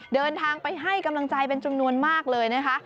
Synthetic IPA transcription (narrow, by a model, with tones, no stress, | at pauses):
dɤː˧nt̪ʰaː˧ŋpa˧jɦa˥˩jka˧mla˧ŋt͡ɕa˧jpe˧nt͡ɕu˧mnu˧ənmaː˥˩k̚lɤː˧jna˦˥kʰa˦˥ʔ